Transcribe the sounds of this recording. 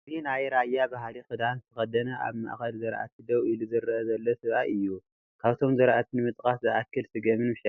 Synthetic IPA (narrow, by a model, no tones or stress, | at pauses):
zinajɾajːabaɦalixɨd̪anɨt̪ʰɨxɐd̪ɐnɐʔa̰βma̰ʔxɐlzɨɾʔa̰t̪ʰɨd̪ɐwiluzɨɾʔɐzɐlːosɨβʔaʔɨjːu | kʰaβt̪ʰo̞mzɨɾʔat̪ʰinɨmɨt̪ʼkʼaszɨʔakːɨlsɨɡɐmɨnmɨʃɐ